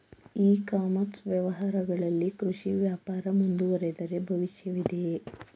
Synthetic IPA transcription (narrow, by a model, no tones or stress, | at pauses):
iːkaːmɐtsʋjɐʋɐɦaːɾɐɡɐɭɐlːikɾuʂiʋjaːpaːɾɐmund̪uʋɐɾed̪ɐɾe̞bʱɐʋiʃjɐʋid̪e̞